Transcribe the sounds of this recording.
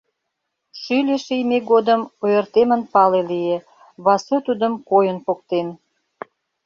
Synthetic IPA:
ʃylʲeʃijmeɡod̪əmojərt̪emənpɑlelije | βɑsøt̪ud̪əmkojənpok̚t̪en

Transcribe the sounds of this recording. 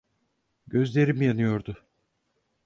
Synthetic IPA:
ɟø̞zlʲe̞ɾimijanɯjo̞ɾd̪ʊ

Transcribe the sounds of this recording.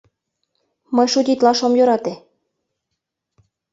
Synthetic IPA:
mɤjʃud̪ʲit̪lɑʃomjøɾɑt̪e

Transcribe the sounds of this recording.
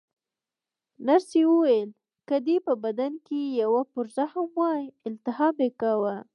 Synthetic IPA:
naɾsewəwajl | kəd̪epəbad̪ankejawapʊɾzahamwɑjɪlt̪ɪɦɑmekawa

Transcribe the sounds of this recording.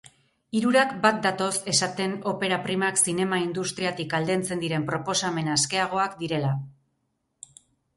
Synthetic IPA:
iɾuɾakbat̪̚d̪at̪o̞se̞sat̪e̞no̞pe̞ɾapɾimaksine̞maind̪ust̪ɾiat̪ikald̪e̞nt͡se̞nd̪iɾe̞mpɾo̞po̞same̞naske̞aɣ̞o̞akd̪iɾe̞la

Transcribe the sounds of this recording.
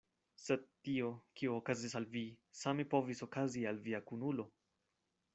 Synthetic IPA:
sed̪̚tiokioːkazisalvisamepo̞viso̞kazialviakunulo̞

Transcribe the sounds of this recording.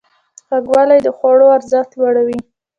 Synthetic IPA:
ɣaɡwɑlajd̪əxwaɽoaɾzəxt̪lwaɽawi

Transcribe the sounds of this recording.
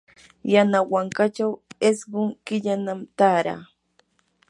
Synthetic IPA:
janawaŋkat͡ʃawesɢʊŋkɪʎanamt̪aːɾa̰ː

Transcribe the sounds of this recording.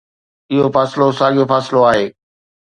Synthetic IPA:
ɪɦofaːsɪlosaːɠijofaːsɪloaːɦeː

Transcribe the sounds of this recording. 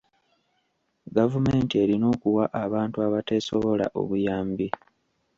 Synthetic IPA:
ɡavume̞ːntie̞ɾino̞ːkuwaʔaβaːntuaβate̞so̞βo̞la̰ʔo̞̰βujaːmbi

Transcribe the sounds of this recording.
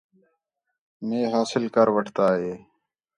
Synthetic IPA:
meːɦaːsɪlkəɾwəʈʰt̪aːɦeː

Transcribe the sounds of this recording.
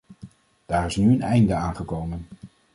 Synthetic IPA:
d̥aːɹɪsnyənɛjndəaːnχəkowmən

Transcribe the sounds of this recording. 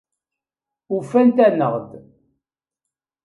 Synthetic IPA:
ufænt̪ænəʁd̪

